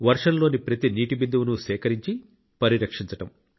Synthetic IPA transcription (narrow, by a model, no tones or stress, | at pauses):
ʋɐɾʂɐnlo̞ːnipɾɐt̪iniːʈibind̪uʋunuʃɛːkɐɾiɲt͡ʃi | pɐɾiɾɐkʂiɲt͡ʃɐʈɐm